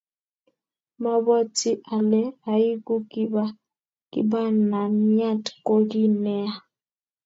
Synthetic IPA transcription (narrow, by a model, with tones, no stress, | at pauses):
ma˦bɔ˦ti˦ʔa˨lɛ˦a˨i˦ɡu˦ki˦ba˦ | kḭ˦ba˦na˨n˦a˦˨tko˦ɡi˦nɛ˦a˨